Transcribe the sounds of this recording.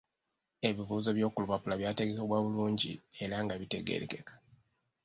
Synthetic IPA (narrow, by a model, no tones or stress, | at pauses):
e̞βiβuːzo̞βjo̞ːkulupapulaβjaːte̞ɡe̞keβwaːβuluːɲɟḭe̞ɾaŋɡaβite̞ɡḛɾḛke̞kḁ